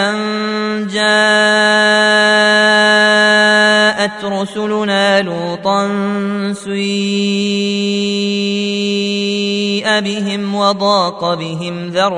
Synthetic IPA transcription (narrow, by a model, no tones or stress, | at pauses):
and͡ʒaː | ʔat̪ɾʊsʊlʊnaːluːt̪ˤɑnsi | ʔabɪɦɪmwɑd̪ˤɑːqɑbɪɦɪmðɑɾˤ